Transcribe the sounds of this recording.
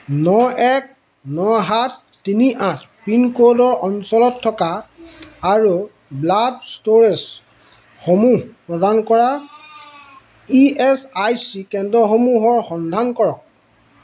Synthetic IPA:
nɔʔɛk̚ | nɔɦatːiniʔãt̚pinkodɔɹɔnsɔlɔtʰːɔkaː | ɹu | bladstoɹɛs | xomuɦpɹɔdankɔɹa | iɛsajsikɛndɔxomuɦɔɹxɔndʱankɔɹɔk̚

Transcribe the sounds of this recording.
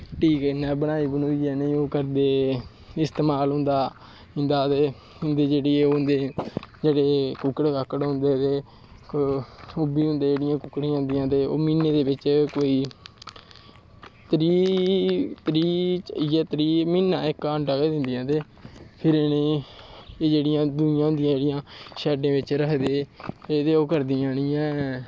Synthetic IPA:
ʈiːkːnɛ̃ːbənaːiːbənoːiːɛːneĩːoːkəɾd̪eː | ɪst̪eːmaːlɦʊ̃nd̪aː | ɦɪ̃nd̪aːt̪eː | nd̪eːd͡ʒeːɽeːeond̪eːd͡ʒeːɽeːkʊkəɽkəkːəɽɦʊ̃nd̪eːt̪eː | ʊbiːɦʊ̃nd̪eːd͡ʒeːɽɪjãːkʊkɽiːãːnd̪ɪjãːt̪eːo̰ːmiːneːd̪eːbɪt͡ʃkoːiː | t̪əɾiː | t̪ɾiːt͡ʃːijɛːt̪ɾiːmiːnːaːɪkːaːɳʈaːɡeːd̪ɪnd̪ɪjãːt̪eː | pʰɪɾnẽː | eːd͡ʒeːɽɪjãːd̪ʊjãːɦʊ̃nd̪ijãːd͡ʒeːɽɪjãːʃɛːɖẽːʋɪt͡ʃɾəkd̪eːet̪eːoːkəɾd̪iːãːnĩːɛ̃ː

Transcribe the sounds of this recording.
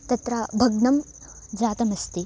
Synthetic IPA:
t̪ɐt̪ɾabʱɐɡnɐm | d͡ʒaːt̪ɐmɐst̪i

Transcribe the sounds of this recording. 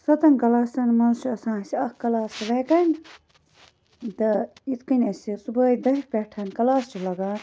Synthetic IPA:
sɐt̪ɐnkɐlaːsɐnmɐnsuɐsãːsiɐkkɐlaːsʋɐkɐn | d̪ɨit̪ʰkɐnʲɐsʲisubɐːjd̪ɐipʲeʈʰɐnkɐlaːst͡ʃʰilɐɡaːn

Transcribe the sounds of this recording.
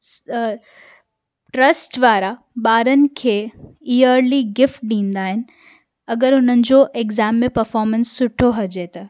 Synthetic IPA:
ʈɾɐsʈʋaːɾa | ɓaːɾənɪ̆kʰeːiəɾliɡɪfʈ̚ɗĩːnd̪aːɦɪnɪ̆ | ɐɡəɾʊn̤ənɪ̆d͡ʑoːʔekzaːmːẽpɐɾfɔːɾmə̃nsːʊʈʰoɦɐd͡ʑet̪ɐ

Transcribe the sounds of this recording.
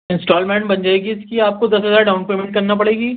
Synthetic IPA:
ɪ̃nsʈɔːlmɛ̃ːɳʈbɐnd͡ʒaːeɡiɪskiaːp̚kod̪ɐsɦɐzaːɾɖaʊ̃npeːmẽɳʈ̚kɐɾnapɐɽeːɡiː

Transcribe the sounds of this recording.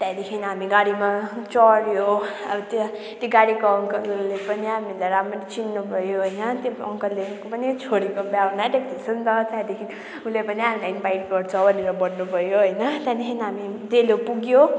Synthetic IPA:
t̪jad̪ekʰiniɦamiɡaɽimat͡sʌɽjoʌbt̪ | t̪iɡaɽikoʌŋkʌllepʌniɦamilajɾament͡sinːubʱʌjoɦʌjnʌt̪joʌ̰ŋkʌlːekopʌnit͡sʰoɽikobjawnaʈek̚t̪isʰʌnd̪ʌt̪jajd̪ekʰini | ulepʌniɦamilajinbajʈɡʌrt͡sʰʌbʱʌneɾʌbʌɽnubʱʌjoɦʌjnʌt̪jãd̪ekʰinɦamid̪elopuɡjo

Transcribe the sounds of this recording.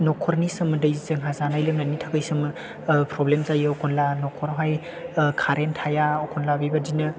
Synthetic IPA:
nɔkʰɔɾnisɯmɯdɯjzɯŋɦazanajlɯŋnanitʰakɯjsɯmɯ | pɾɔblemzajɯɔkʰɔnlanɔkʰɔɾɦaj | kʰaɾentʰajaɔkʰɔnlabibadinɯ

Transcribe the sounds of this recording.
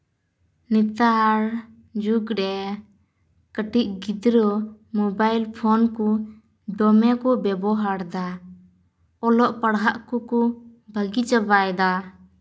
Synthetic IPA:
nit̪aɾ | d͡ʒuɡɾɛ | kəʈiʔ̚ɡid̪ɾɔmɔbajlpʰɔnku | ɖɔmɛkɔbɛbɔɦaɽd̪a | ɔlɔʔpəɽɦaʔkukubʱəɡit͡ʃəbajd̪a

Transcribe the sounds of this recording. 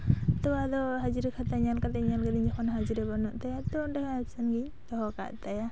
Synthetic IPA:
t̪ɔwad̪ɔɦad͡ʒiɾɛkʰat̪aɲalkat̪ɛɲalkad̪iɲd͡ʒɔkʰɔnɦad͡ʒiɾɛbɔnɔʔt̪ajat̪ɔnɖɛɦɔapsanɡiɲ | t̪ɔɦɔka̰ʔt̪aja

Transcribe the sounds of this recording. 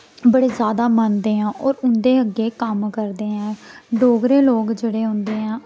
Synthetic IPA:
bəɽeːzjaːd̪aːmənd̪eːɦãːʔɔːɾʊnd̪eːəɡːeːkəmkəɾd̪eːɦɛ̃ːɖoːɡɾeːloːɡd͡ʒeːɽeːɦʊ̃nd̪eːɦãː

